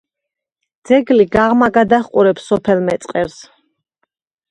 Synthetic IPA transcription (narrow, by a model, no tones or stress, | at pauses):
d̪z̥ɛɡliɡaʁmaɡad̪aχqʼuɾɛpsɔpʰɛlmɛt̪sʼqʼɛɾs